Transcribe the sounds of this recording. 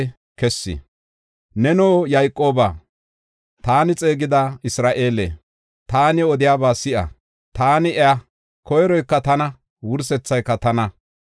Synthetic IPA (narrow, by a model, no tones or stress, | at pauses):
kɛsːɪ̰ | nɛnoːjajkʼːo̞ːbaː | t̪aːnɪt͡sʼe̞ːɡɪd̪ɐɪsɾaːʔeːlḛ | t̪aːnɪɔd̪ɪjaːbaːsɪʔɐ̰ | t̪aːnɪɛa | kɔjɾɔjkːɐt̪ɐnɐ | wʊɾsɛt͡sːɐjkːɐt̪ɐnɐ